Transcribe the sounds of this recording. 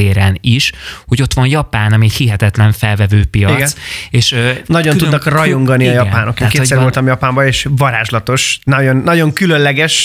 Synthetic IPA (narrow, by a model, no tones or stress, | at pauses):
eːɾɛniʃho̞ɟo̞t̪ʋɒnjɒpaːnɒmiɛchiɦɛt̪ɛt̪lɛɱfɛlvɛvøːpijɒiɡseːʃnɒɟonud̪nɒkrɒjo̞ŋɡɒniɒjɒpaːno̞kekeːsɛɾolt̪ɒmjɒpaːmbɒeːʃvɒɾaːʒlɒt̪o̞ʃnɒjo̞nːɒɟo̞ŋkylønlɛɡɛʃ